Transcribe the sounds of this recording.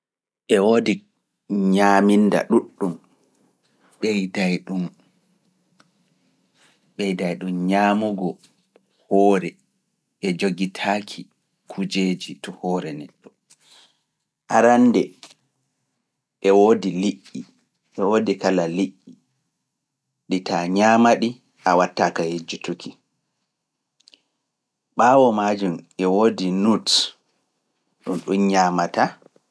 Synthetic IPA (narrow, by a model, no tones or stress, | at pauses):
ʔɛwodi | ɲaːminda̰ɗuɗːum | ɓɛjdajɗum | ɓɛjdajɗumɲaːmuɡɔ | hɔːɾɛ | ʔɛd͡ʒoɡitʰaːkʰi | kʰud͡ʒeːd͡ʒitɔhɔːɾɛnɛtːɔ | ʔaɾandɛ | ɛwodiliʔːi | ʔɛwoːdikalaliʔi | ɗitaɲaːmaɗi | ʔawatːakahed͡ʒutukʰi | ɓaːwɔmaːd͡ʒumɛwoːdinut | ɗunɗunɲaːmata